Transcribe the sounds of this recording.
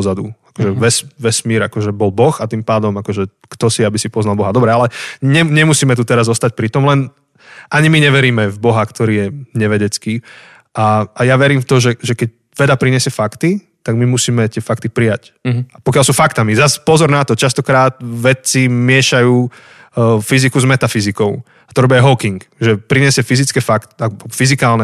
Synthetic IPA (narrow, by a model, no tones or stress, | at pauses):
zad̪uakɔʒɛʋɛsʋɛsmiːɾa̰kɔʒɛbɔlbɔxat̪impaːd̪ɔmakɔʒɛ | kt̪ɔsiabisipɔznalbɔɦad̪ɔbɾɛalɛɲɛɲɛmusiːmɛt̪̬ut̪ɛɾazɔst̪ac̚pɾit̪ɔmlɛn | ʔaɲimiɲɛʋɛɾiːmɛvbɔɦakt̪ɔɾiːjɛɲɛʋɛɟɛt͡skiː | ʔaajaʋɛɾiːmft̪ɔʒɛʒɛkɛc̚ | ʋɛd̪apɾiɲɛsɪɛfakt̪i | t̪aɡmimusiːmɛt̪ɪɛfak̚t̪ipɾijac | apɔkjalsuːfakt̪amizaspɔzɔɾnat̪ɔt͡ʃast̪ɔkɾaːt̪ʋɛt͡simɪɛʃajuː | fizikuzmɛt̪afizikɔʊ | at̪ɔɾɔbɪajɦɔkiŋkʒɛpɾiɲɛsɪɛfizit͡skɛfakt̪abɔfizikaːlnɛ